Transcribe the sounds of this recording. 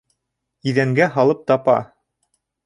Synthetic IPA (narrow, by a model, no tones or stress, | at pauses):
iðæŋɡæɦɑlˠɤp̚t̪ɑpɑ̰